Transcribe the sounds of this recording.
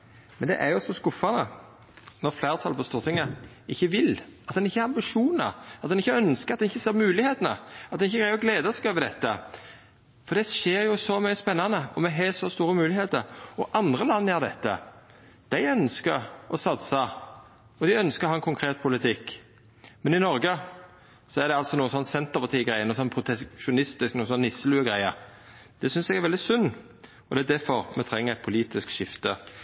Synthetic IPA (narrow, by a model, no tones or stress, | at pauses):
mɛnd̪ɛ̰ʔæɾjʊsɔskʊfɑnə | nɔʁflæːʁt̪ʰɑlpʰɔst̪uːʁt̪ʰɪŋːə | ɪçːəʋɪlɑt̪d̪ɛnɪçːəɛɾʁɑmbɪʂuːnə̰ɑt̪d̪ɛnɪçːəœnskəɑt̪d̪ɛnɪçːəseːʁmʉːlɪheːt̪ənə̰ɑt̪d̪ɛnɪçːəɡɾæɪɔɡleːd̪əsɛɡøːʋəɾd̪ɛt̪ːə̰ | fɔɾd̪ɛʃeːɾjʊsɔmœʏəspɛnːɑnəɔmɛɦɛːsɔst̪uːɾəmʉːlɪheːt̪əɾɔʔɑnd̪ʁəlɑnːəjæːʁd̪ɛt̪ːə̰ | d̪̥æɪœnskəʁɔsɑt̪sɑ | ɔd̪ɪœnskəɾɔhɑɛnkʰʊŋkʰɾeːt̪̚pʰʊlɪt̪ʰɪkː | mɛnɪnɔɾɡə | sɔæd̪ɛɑlt̪sɔnuːəsɔnːsɛnt̪əpʰɑt̪ʰiːəɡɾæɪənuːsɔnːpʰɾʊt̪ʰɛʃʊnɪst̪ɪsknuːəsɔnːɪsəlʉːəɡɾæɪəɾ | d̪̥ɛsʏnsɛɡæɾʋɛld̪ɪsʉnː | ɔd̪ɛæd̪æɾfɔɾmɛt̪ʰɾɛŋːəʁɛt̪̚pʰʊliːt̪ɪskʃɪft̪ə